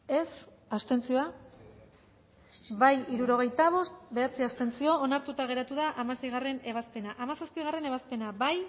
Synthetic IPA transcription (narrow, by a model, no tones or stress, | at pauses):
e̞s | ast̪e̞nt͡sio̞a | bajiɾuɾo̞ɣ̞e̞jt̪aβ̞o̞st̪be̞at͡siast̪e̞nt͡sio̞ːnaɾt̪ut̪aɣ̞e̞ɾat̪uðaʔamase̞jɣare̞ne̞β̞aspe̞naʔamasaspiɣ̞are̞ne̞β̞aspe̞naβaj